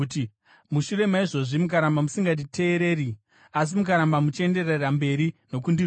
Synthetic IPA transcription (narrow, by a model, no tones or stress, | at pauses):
ti | muʃuɾe̞maiʐo̞ʐimukaɾambamusiŋɡat̬itʰe̞ːɾe̞ːɾi | as̬imukaɾambamut͡ʃiende̞rerambe̞ɾino̞kundi